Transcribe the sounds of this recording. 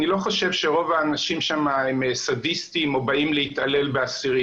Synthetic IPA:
nilo̞χo̞ʃe̞vʃeʁo̞vaːnaʃimʃamaemesadist̪imo̞baimleit̪ale̞lbeasiʁi

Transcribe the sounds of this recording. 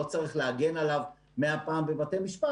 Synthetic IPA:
ot͡saʁiχleaɡe̞nalav | meapaːmbevate̞miʃpa

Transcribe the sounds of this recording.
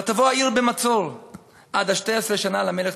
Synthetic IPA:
at̪avoaiʁbemat͡sol | ʔad̪aʃteesʁeʃanalameleχ

